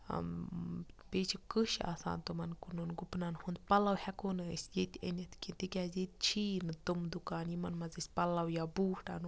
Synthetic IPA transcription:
pet͡ʃʰikɨʃa̰ːsa̰ːnt̪umɐnkununɡupnanhund̪pɐlɐwhɛkonɨə̰sʲjet̪ʲḛnʲit̪kit̪ikʲazet̪̚t͡ʃʰiːnɨt̪umd̪ukaːnjimɐnmɐzisʲpɐlɐwjabuːhʈa̰n

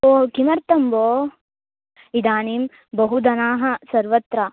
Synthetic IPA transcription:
oːkimɐɾt̪ɐmboː | id̪aːnim | bɐɦud̪ɐnaːɦɐsɐɾʋɐt̪ɾa

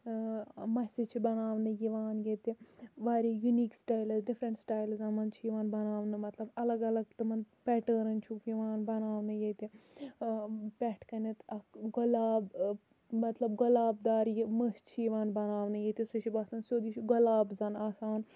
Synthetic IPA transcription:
mɐsʲit͡ʃʰibɐnaːʋnɨjiʋaːnjet̪iʋaːɾijuniːksʈaːjlɐzɖifɾɐɳʈsʈaːjlzɐːnmɐnt͡ʃʰiːʋaːnbɐnaːʋnɨmɐt̪lɐbɐlɐɡɐlɐɡt̪ɨmɐnpʲɛʈəːɾɐnt͡ʃʰuɡiʋaːnbɐnaːʋnɨjet̪i | pʲɛʈʰkɐnet̪ɐkɡɐlaːb | mɐt̪lɐb̚ɡɐlaːb̚d̪aːɾjiməst͡ʃʰiʋaːnbɐnaːʋnɨjet̪isut͡ʃʰibaːsɐːnsʲoːd̪it͡ʃʰuɡɐlaːbzɐnaːsaːn

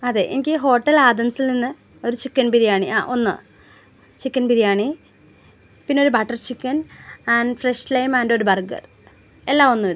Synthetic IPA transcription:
ɐðe̞̰ːʔḛnikʲːɨɦo̞ːʈːɐlaːd̪ɐmsilninːɨ | o̞ɾut͡ɕikːɐnbiɾijaːɳiʔa̰ːʔonːɨ̰ | t͡ɕikːɐnpiɾijaːɳi | pinːeoɾubaʈːɐrt͡ɕikːɐnɐɳɖfreʂlɐjmɐnɖoɾubɐrɡɐ̰r | e̞lːaːmonːuoɾ

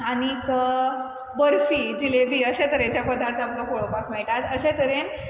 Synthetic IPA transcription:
anikə | bəɾfiːd͡ʑilebiːəɕẽt̪əɾẽt͡ɕjapəd̪aɾt̪ʰapkakoɭopakmɛɭʈat̪əɕet̪əɾen

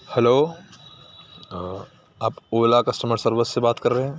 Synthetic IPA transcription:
hɛloː | aːpoːlakɐsʈəməɾsəɾʋəsːebaːt̪kɐɾːɐɦeɦɛ̃ː

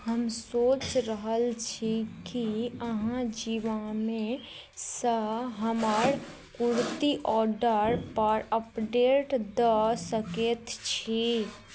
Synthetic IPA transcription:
ɦəmsoːt͡ʃɾəɦəlt͡ʃʰikiəɦãd͡ʒiʋamẽ | səɦəməɾ | kuɾt̪iʔɔɾɖəɾpəɾəpɖeʈd̪əsəket̪t͡ʃʰi

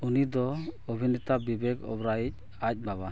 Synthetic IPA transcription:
unid̪ɔobʱinɛt̪abibeɡɔ̰bɾajic̚ | ac̚ˀbaba

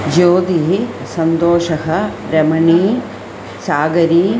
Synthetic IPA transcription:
d͡ʒoːd̪iɦi | sɐnd̪oːʃɐɦɐ | ɾɐmɐɳiː | saːɡɐɾiː

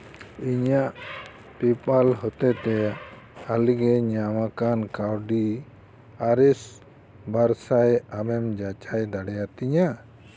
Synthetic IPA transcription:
iɲaʔ | pipalɦɔt̪ɛt̪ɛ | aliɡɛɲamakankawɖi | aɾɛs | baɾsajamɛmd͡ʒat͡ʃajd̪aɽɛjat̪iɲa

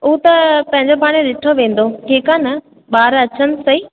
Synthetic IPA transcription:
ʊːt̪ɐpɐ̃ɦɪ̃ɲd͡ʑopaːɽ̃eɗɪʈʰoʋẽːn̆d̪oʈʰiːkaːnɐ | ɓaːɾɐt͡ɕənsɐiː

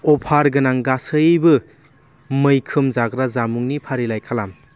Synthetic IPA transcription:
ɔpʰaɾɡɯnaŋɡasɯbɯ | mɯjkʰɯmzaɡɾazamuŋnipʰaɾilajkʰalam

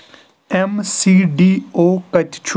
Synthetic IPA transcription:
ɛmsiːɖiːoːkət͡ʃt͡ʃʰ

